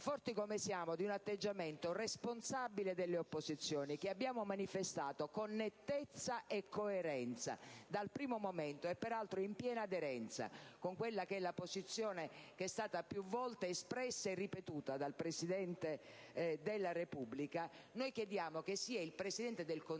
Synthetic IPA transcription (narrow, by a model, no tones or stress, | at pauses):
fɔrt̪ikomesjaːmod̪iunat̪ːed͡ʒːament̪oresponsabiled̪elːeopːozit̪sːjɔːnikeabːjaːmomanifest̪aːt̪okonːet̪ːet̪sːaʔekʰːoeɾɛnt̪sa̰d̪alpɾiːmomoment̪oɛpːɛɾalt̪ɾoimpjɛːnaːd̪eɾɛnt̪sa̰koŋkwelːakɛlːapozit̪sːjɔːnekeɛst̪aːt̪apjuvːɔlt̪eːspɾɛsːaerːipet̪uːt̪ad̪alpɾesid̪ɛnt̪ed̪elːaɾepubːlikanojkjed̪jaːmok̟esːiailpɾesid̪ɛnt̪ed̪elkon